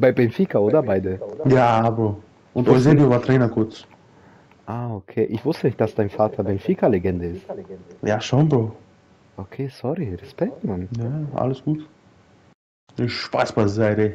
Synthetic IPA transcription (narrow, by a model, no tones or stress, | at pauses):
b̥aɪbɛnfiːkaoːdɐbaɪdəjaːabɐ | ʔʊntɔɪzedjovaːtʁeːnɐkʰʊt͡s | ʔaːokʰeːʔɪçv̥ʊstənɪçtd̥asd̥aɪnfaːtʰɐbɛnfikaleɡɛndəɪstjaːʃɔndo | ʔokʰeːsɔɾiɾɛspɛk̚tmannaʔa̰ləsɡ̥uːt | əʃpa̰sb̥aɪzaɪɾe